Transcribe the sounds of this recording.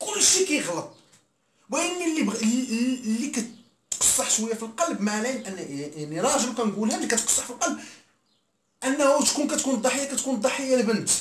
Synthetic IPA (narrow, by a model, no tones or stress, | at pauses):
kʊlːʃikæjəɣlət̪̚ˤ | wæjənːilːib | lːikæ | qɑ̥sˤːɑħʃwəjːæfilqɑlbmaʕlæʔænːaʕniɾˤɑʒəbkænɡulhænlikæt̪qɑ̥sˤːɑħfilqɑlb̚ | ʔənːhut̪kunkæt̪kund̪ˤɑħəjːakæt̪kund̪ˤɑħəjːalbənt̪